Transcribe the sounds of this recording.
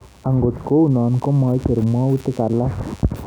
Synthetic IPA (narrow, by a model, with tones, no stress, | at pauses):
a˨ŋɡo˨t̪ko˦u˦˨naː˨nko˦maː˨˦jte˨ɾu˨maː˦wu˦t̪ːi˦ka˨lːa˦